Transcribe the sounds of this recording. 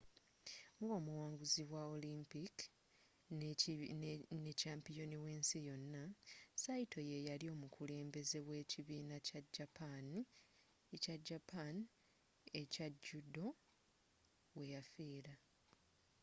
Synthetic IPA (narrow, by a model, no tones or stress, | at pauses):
ŋo̞ːmuwaːŋɡuziβwao̞limpik | necaːmpijo̞niweːnsijo̞nːasajitʰo̞je̞jalio̞ːmukule̞ːmbe̞ze̞we̞ːciβiːnacaɟːapʰani | ecaɟːapan | ecaɟːudo̞ | we̞jafiːɾa